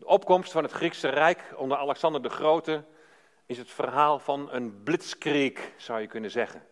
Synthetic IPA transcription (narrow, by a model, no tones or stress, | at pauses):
dəʔɔp̚kɔmstfɑnətχriksərɛjkɔndərɑlɛksɑndəɹdəχrowtə | ɪsɦətfərɦaːlˠv̥ɑnənblɪtskriksʌwjəkɵnəzɛχə̰n